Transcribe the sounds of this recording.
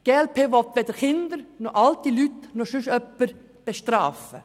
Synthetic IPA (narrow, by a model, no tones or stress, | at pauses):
ɡ̥eːɛlpʰeːʋɔt̪ʋɛd̪əɾχɪnd̪əɾnɔʔɑlt̪ilyt̪nɔʃʉʃœpːəɾ | b̥eʃtɾɑːfə